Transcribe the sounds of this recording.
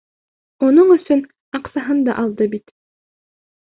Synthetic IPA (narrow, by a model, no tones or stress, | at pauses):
unoɴɵ̆sɵn | ɑqsɑɦɤnd̪ɑ̰ʔɑlˠd̪ɤbit̪